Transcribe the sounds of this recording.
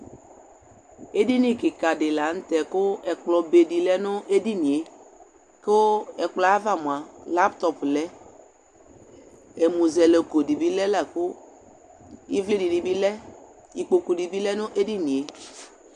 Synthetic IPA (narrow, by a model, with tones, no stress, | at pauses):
e˦di˦nĩ˦kɪ˨ka˨dɪ˨la˨ŋ̩˦t̪ɛ˨kʊ˦ɛ˨k͡plɔ˨be˨di˨lɛ˦nʊ̃˦e˦di˦nĩ˨e˨ | kʊ˦ɛ˨k͡plɔ˨˦a˦va˨mũ˨a˨la˦pt̪ɔ˨plɛ˦ | e˨mũ˨zɛ˨le˨ko˨di˨bi˦lɛ˦lɛ˨kʊ˦ | i˦vli˦di˨di˨bi˦lɛ˦ | i˨k͡po˨ko˨di˨bi˦lɛ˦nʊ̃˦ʔe˦di˦nĩ˨e˨